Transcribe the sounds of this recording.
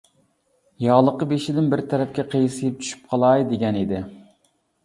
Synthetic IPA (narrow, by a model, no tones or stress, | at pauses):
jɑʁlˠəqəbeʃɪd̪ɪnbɪɾt̪ʰɛɾɛpkʲɛqʰejsɨjɪp̚t͡ʃʰy̥ʃy̥p̚qʰɑlˠɑjd̪eɡʲɛnid̪ɪ